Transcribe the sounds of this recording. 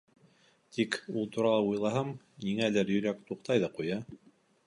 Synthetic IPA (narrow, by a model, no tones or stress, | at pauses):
t̪ikulˠt̪uɾɑlˠɑujlˠɑɦɤm | niŋælɘɾjɵ̆ɾækt̪uqt̪ɑjðɑqujɑ